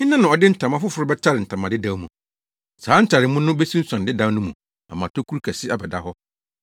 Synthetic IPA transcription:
ɲɪ̃˦nã˦nã˨ɔ˨dɪ˦n̩˦tʰã˨mã˦fʊ˦fʊ˨ɾʊ˦bɛ˦tʰa˦ɾɪ˨n̩˨tʰã˨mã˨dɪ˦dã˨˦mṵ̃˨ | saː˨˦n̩˦tʰa˨ɾɪ˨mũ˦nʊ̃˦be˦si˦n̩˦sã˨ndɪ˦dã˨˦nʊ̃˦mũ˨ | a̰˨mã˨tʰo˦kʰu˦ɾkʰæ˨sɪ˦a˨bɛ˨da˦ɦɔ˦

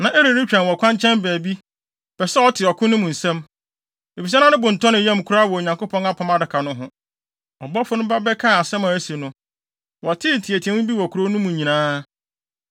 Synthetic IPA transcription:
nã˨ʔe˦ɾi˨i˦t͡ɕᶣɾã˨wɔ˨kʰʷã˦ɲ˦t͡ɕʰɛ̃˦nbæː˨bi˦ | b̥ɛ˨sɛ˦ɔ˦tʰɪ˨ɔ˨kʰʊ̃˦nʊ̃˦mũ˨n̩˨sɛ̃˦m | e˨fi˨s̬ɛ˦nã˦nʊ̃˦bʊ̃˨n̩˨tʰɔ˦nɪ̃˨jɛ̃˦˨m˨kʰu˦ɾa˦wɔ˨ɲã˨ŋko˦pʰɔ̃˦na˦pʰã˨ma˦dɪ˨kʰa˨nʊ̃˦ɦʊ̃˦ | ɔ˨bɔ˦fʊ˦nʊ̃˦ba˦bɛ˦kʰã˦˨a˨sɛ̃˦mã˨˦si˨nʊ̃˦ | wɔ˨tʰɪ˦˨tʰi˨æ˨tʰi˨ɛ̃˦ʊ̃˦bi˦wɔ˨kʰu˨ɾo˦nʊ̃˦mũ˨ɲĩ˨nãː˦

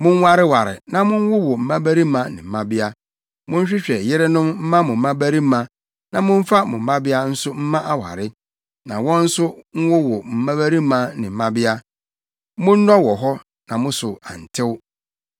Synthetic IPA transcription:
mʊ̃˦n˦wa˦ɾɪ˦wa˨ɾɪ̰˨nã˨mʊ̃˦n˦wʊ˦wɔ˨m̩˨mã˦bæ˦ɾi˦mã˦nɪ̰̃˨m̩˨mã˦bɪ˦a˦ | mʊ̃˦ɲ̩˦ɕᶣɪ˦ɕᶣɛ˨jɪ˦ɾɪ˦nʊ̃˦mm̩˦mã˦mʊ̃˨m̩˦mã˦bæ˦ɾi˦mã˦ | nã˨mʊ̃˦ɱ̩˦fa˦mʊ̃˨m̩ː˦ã˦bɪ˦a˦n̩˦sʊ˦m̩˦mã˦ʔa˦wa̰˨ɾɪ˦ | nã˨wɔ̃˦n̩˦sʊ˦ŋ̩˦wʊ˦wɔ˨m̩˨mã˦bæ˦ɾi˦mã˦nɪ̃˨m̩˨mã˦bɪ˦a˦ | mʊ̃˦n̩˦nɔ̃˦wɔ˨ɦɔ˦ | nã˨mʊ̃˦sʊ˨ã̰˨n̩˨tʰɪ˦w

